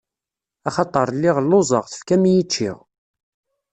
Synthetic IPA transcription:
ɑχɑt̪ˤːəɾˤlːɪʁlːozˤəʁθə̥fkæmijit͡ʃːḭʁ

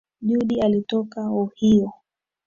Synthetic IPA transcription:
ʄuɗialitɔkauhiɔ

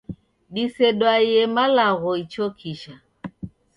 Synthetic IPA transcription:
ɗisɛɗwajɛmalaɣɔit͡ʃɔkʰiʃa

